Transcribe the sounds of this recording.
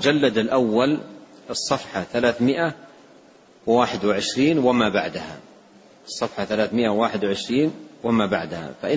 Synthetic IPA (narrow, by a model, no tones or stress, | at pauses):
d͡ʒalːad̪ɪlʔawːalɨsˤːɑfħɑθalaːθmɪʔa | wwaːħɪd̪wɪʕɪʃɾiːnwɪmaːbaʕd̪aha̰ | ʔɨsˤːɑfħaθalaːθmɪʔawaːħɪd̪wʕɪʃɾiːnwɪmaːba̰ʕd̪ha̰faʔɪ